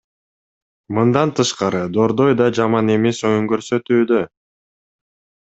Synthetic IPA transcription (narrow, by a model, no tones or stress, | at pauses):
mɯnd̪ɑnt̪ʰɯʃqɑɾɯd̪o̞ɾd̪o̞jd̪ɑd͡ʒɑmɑne̞me̞so̞juŋkøɾsø̞t̪yːd̪ø